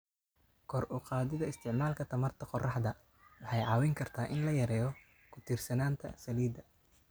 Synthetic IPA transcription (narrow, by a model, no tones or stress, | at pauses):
kʰɔrʔʊqɑːðɪðɐɪst̪ʰɪʕmaːlkʰɐt̪ʰɐmɐrt̪ʰɐqɔrɑħd̪ɐ | wɑħɑjʕɑːwɪŋkʰɐrt̪ʰaːʔɪnlɐjɐɾɛːjɔ | kʰʊt̪ʰiːrsɐnaːnt̪ʰɐ̰sɐliːd̪ɐ